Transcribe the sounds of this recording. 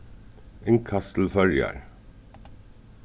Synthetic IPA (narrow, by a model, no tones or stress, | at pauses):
eŋkʰɑst̪l̩fœɹjɑ̰ɹ